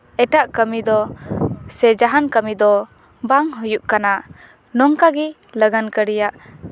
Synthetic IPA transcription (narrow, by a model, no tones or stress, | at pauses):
ɛʈaʔkəmid̪ɔ | sɛd͡ʒaɦankəmid̪ɔ | baŋɦujuʔkana | nɔŋkaɡɛ | ləɡankəɾijaʔ